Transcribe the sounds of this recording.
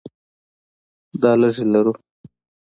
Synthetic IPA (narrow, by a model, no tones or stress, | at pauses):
d̪ɑləʐelaɾu